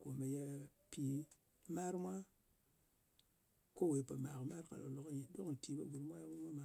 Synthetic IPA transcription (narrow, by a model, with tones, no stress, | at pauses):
ko˨me˨ja˧pi˨ | ma˦ɾmʷa˦ | ko˦we˨pa˨ma˨kma˦ɾka̰˨lo˨lo˦kji˨˦do˦kn˨ti˨ba˦ɡu˨ɾmʷ˦a˦ɾma˦mʷa˦ma˨